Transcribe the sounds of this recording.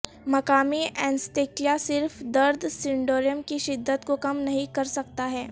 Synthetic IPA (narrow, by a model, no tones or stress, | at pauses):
mɐkaːmiɛ̃ːnsʈeːklijasɪɾfd̪ɐɾd̪ʱsɪ̃ɳɖoːɾijəmkiʃɪd̪ːət̪kokɐmnɐɦĩkɐɾsɐk̚t̪aɦɛː